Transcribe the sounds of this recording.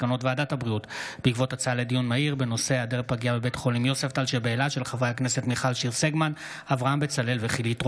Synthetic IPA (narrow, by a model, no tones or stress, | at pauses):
kano̞tveadathabʁiutb̥eikvo̞tat͡saledijunmaiʁbe̞no̞se̞adeʁpaɡiabebe̞tχo̞limjo̞seftalʃebeːlaʃe̞lχavʁeakne̞setmiχalʃiʁseɡman | avʁaambet͡sale̞lveχilitʁ